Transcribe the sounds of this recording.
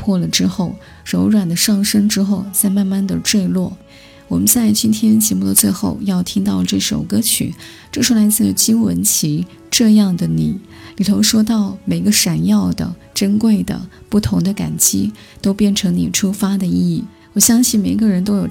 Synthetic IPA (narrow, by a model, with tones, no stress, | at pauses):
pʰwɔ˥˩lə˩ʈ͡ʂɻ̩˥xo˥˩ʊ | ɻo˧˥ʊɻwa˨˩nd̪ə˦ʂɑ˥˩ŋʂə˥ŋʈ͡ʂɻ̩˥xo˥˧ʊt͡sa˥˧ɪma˥˧nma˥˩nd̪ə˨˩ʈ͡ʂwe˥˧ɪlwɔ˥˩ | wɔ˨˩mə˦nt͡sa˥˩ɪt͡ɕi˥nt̪ʰjɛ˥nt͡ɕjɛ˧˥mu˥˩d̪ə˧t͡swe˥˧ɪxo˥˧ʊjɑ˥˧ʊt̪ʰi˥ŋt̪ɑ˥˧ʊʈ͡ʂɤ˥˩ʂo̰˨˩ʊkɤ˥t͡ɕʰy̰˨˩˦ | ʈ͡ʂɤ˥˩ʂo˧˥la˧˥ɪt͡sɹ̩˥˩jo˨˩t͡ɕi˥nwə˧˥nt͡ɕʰi˧˥ | ʈ͡ʂɤ˥˧jɑ˥˩ŋd̪ə˩ni˨˩˦ | li˨˩t̪ʰo˧˥ʊʂwɔ˥t̪̬ɑ˥˩ʊme˨˩ɪ˧˦ɡə˧ʂa˨˩njɑ˥˩ʊd̪ə̰˩ | ʈ͡ʂə˥nkwe˥˩ɪd̪ə̰˩ | pu˥˩t̪ʰʊ˧˥ŋd̪ə˧ka̰˨˩nt͡ɕi˥ | t̪o˥ʊpjɛ˥˩nʈ͡ʂʰɤ˧˥ŋni˨˩ʈ͡ʂʰu˥fa˥d̪ə˨i˥˧i˥˩ | wɔ˨˩ɕjɑ˥ŋɕi˥˩me˨˩ɪ˥ɡə˧ɻə˧˥nt̪o˥ʊjo˨˩ʊ